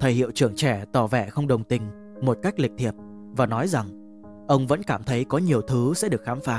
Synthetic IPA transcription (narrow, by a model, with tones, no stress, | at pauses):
t̪ʰə˨˩jhḭ˧˨əwt͡ɕɨ˧˩əŋt͡ɕɛ˧˩t̪ɔ˧˩vɛ̰˧˩xə˧wŋ͡mɗə˨˩wŋ͡mt̪ï˧˩ŋ̟ | mo˨˩t̚ka˦˥jk̟̚lï˨˩k̚t̪ʰi˨˩əp̚ | vaː˨˩nɔ˨˦jza˨˩ŋ | ʔə˧wŋ͡mvə̰˧˥nkaː˧˩mt̪ʰə˨˦jkɔ˨˦ɲi˨˩əwt̪ʰɨ˨˦sɛ̰˧˥ɗɨ˨˩ək̚xaː˨˦mfaː˨˦